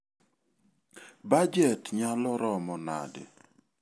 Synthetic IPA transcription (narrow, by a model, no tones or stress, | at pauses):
bad͡ʒɛtɲalɔɾɔmɔna̰dḛ